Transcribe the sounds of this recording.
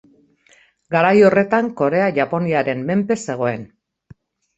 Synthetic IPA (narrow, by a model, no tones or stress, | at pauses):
ɡaɾajo̞re̞t̪aŋko̞ɾe̞aʝapo̞niaɾe̞mme̞mpe̞se̞ɣ̞o̞e̞n